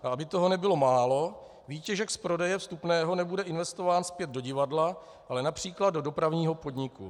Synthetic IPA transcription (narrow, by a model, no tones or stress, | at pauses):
ʔaabɪt̪o̞ɦo̞nɛbɪlo̞maːlo̞ | viːcɛʒɛkspɾo̞dɛjɛfst̪upnɛːɦo̞nɛbudɛʔɪnvɛst̪o̞vaːnspjɛd̪̚do̞ɟɪvadla | ʔalɛnapr̝̥iːklad̪do̞do̞pɾavɲiːɦo̞po̞dɲɪkṵ